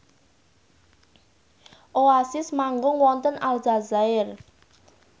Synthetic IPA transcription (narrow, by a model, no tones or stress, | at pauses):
ʔoasɪsmaŋɡʊŋwɔnt̪ənald͡ʒazaɪr